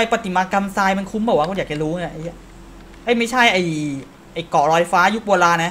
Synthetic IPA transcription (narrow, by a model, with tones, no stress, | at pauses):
a˧jpa˧t̪i˨˩maː˧ka˧msaː˧jma˧nkʰu˦˥mbɔː˨˩waː˦˥kʰːjaː˨˩t͡ɕa˨˩ɾuː˦˥ŋə˧˦˩ʔa˧ni˦˥˩ | ʔa˦˥˩jma˥˩jt͡ɕʰa˥˩jʔa˨˩j | ʔa˨˩jkɔː˨˩ɾɔː˧jfaː˦˥ju˦˥k̚woː˧laː˧nːa˦˥